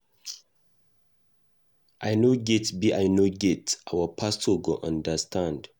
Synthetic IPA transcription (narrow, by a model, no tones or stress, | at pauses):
ʔajnoɡɛtbiʔajnoɡɛtʔawəpʰastoɡoʔə̃ndəstʰãnd